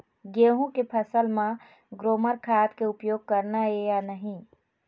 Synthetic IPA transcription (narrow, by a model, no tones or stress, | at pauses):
ɡeːɦũkepʰəsəlmã | ɡɾoːməɾkʰaːt̪keʊpjoːɡ̚kəɾnaejanəɦĩ